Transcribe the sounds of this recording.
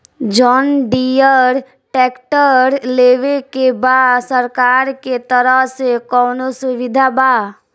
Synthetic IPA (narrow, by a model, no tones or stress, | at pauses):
d͡ʒɔːnɖijəɾ | ʈɛːkʈəɾleːʋekebaːsəɾkaːɾket̪əɾəɦsekɔːnosʊʋɪd̪ʱabaː